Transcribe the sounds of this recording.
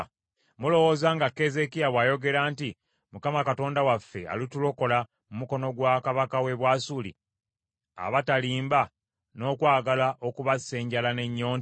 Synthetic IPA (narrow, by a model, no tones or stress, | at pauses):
mulo̞wo̞zaːŋɡakːe̞ze̞kijaβwaːjo̞ɡe̞ɾaːnti | mukamakato̞ːndawafːe̞̰a̰litulo̞ko̞la | mumuko̞no̞ɡwakaβakawe̞βwasulḭ | a̰βataliːmba | no̞ːkwaːɡalaʔo̞kuβase̞ːɲɟalane̞ɲːo̞ːn